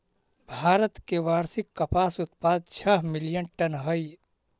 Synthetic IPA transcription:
bʱaːɾət̪keʋaːɾsɪkːəpaːsʊt̪̚paːd̪̚t͡ʃʰəɦmɪlijənʈənɦəj

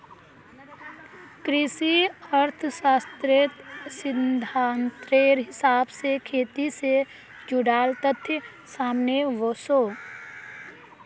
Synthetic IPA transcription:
kɾɪsiəɾt̪ʰəsaːst̪ɾɪt̪sɪnd̪ʱaːnt̪ɾeːɾɦɪsaːbsekʰeːt̪ise | d͡ʒʊɽaːlt̪ət̪ʰːjə | saːmneʋoːsoː

